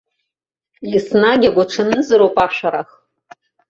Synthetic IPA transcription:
jisnaɡʲaɡʷaʈ͡ʂʰɨnɨzɨɾowpʼaʃʷaɾaχ

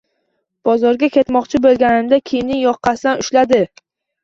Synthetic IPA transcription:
b̥ɒzɒɾɡʲakʲʰe̞t̪mɒqt͡ʃʰɪbolˠɡʲanɪmd̪akʲʰejmnɪŋjɒqʰːɑsɪd̪anʊʃlad̪ɪ

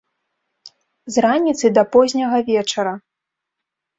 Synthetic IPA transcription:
zranʲit̪sɨd̪ɐpɔzʲnʲɐɣɐvʲɛt͡ʂɐɾɐ

